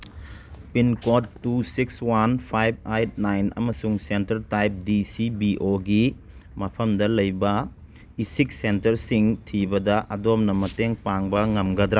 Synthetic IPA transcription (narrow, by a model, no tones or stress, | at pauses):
pinkotːusikswanpʰajb̚ajt̚najnɐ̰mɐsuŋsentɐɾtajp̚disibiʔoɡi | mɐpʰɐmdɐlɐjbɐ | isik̚sentɐɾsiŋtʰibɐdɐʔɐdomnɐmɐteŋpaŋbɐŋɐmɡɐd̪ɾa